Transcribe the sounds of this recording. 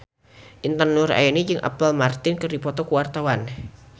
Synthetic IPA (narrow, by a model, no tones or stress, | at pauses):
ʔint̪ənʊra̰jɛnid͡ʒɨŋʔa̰palmart̪ɪnkɨrdipɔt̪ɔkuwart̪awan